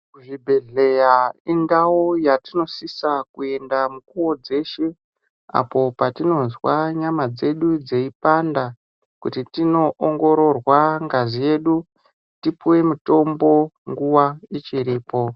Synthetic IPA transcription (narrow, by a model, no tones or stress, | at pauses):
uʐibʱe̞ɮe̞jainɡawojatino̞sisakue̞ndamukuwo̞d͡ze̞ʃe | a̰po̞patino̞nzwaɲamad͡ze̞ɗud͡ze̞ipanda | kutitino̞ʔoŋɡo̞ɾo̞rwaŋɡazije̞ːɗu | tipuwe̞muto̞mbo̞ŋɡuwait͡ʃiɾiːpo̞